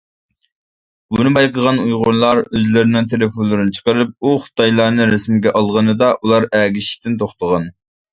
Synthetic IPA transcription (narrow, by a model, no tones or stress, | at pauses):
b̥unɨbɑjqʰəʁɑnujʁʊɾlˠɑɾøzlɪɾɪnɪŋt̪ʰelɪfonlˠɨɾɨnɨt͡ʃʰə̥qəɾɨp̚uχʊ̥t̪ɑjlˠɑɾnɨɾɪsmɡʲɛʔɑlˠʁənɨd̪ɑʔulˠɑɾæːɡʲiʃi̥t̪ʰɪnt̪ʰoχt̪əʁɑn